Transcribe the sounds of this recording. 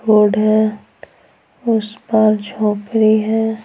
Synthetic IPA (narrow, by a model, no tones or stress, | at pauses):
oːɽɦɛ | ʊspaɾd͡ʒʱõːpɾiɦɛː